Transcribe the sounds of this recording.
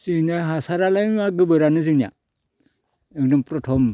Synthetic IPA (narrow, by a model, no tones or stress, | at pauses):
zɯnaɦasaɾalanaɡɯbɯɾanɯzɯnia̰ | ɯŋdɔmpɾɔtʰɔm